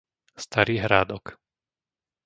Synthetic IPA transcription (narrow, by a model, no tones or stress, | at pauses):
st̪aɾiːɦɾaːd̪ɔk